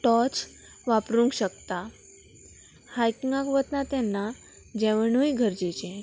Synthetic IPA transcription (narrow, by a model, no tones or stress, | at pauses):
ʈɔt͡s | ʋapɾũŋkɕəkt̪a | hajkiŋɡãkʋət̪nat̪ɛnːa | d͡ʑɛʋəɳuiɡʱəɾd͡ʑet͡ɕɛ̃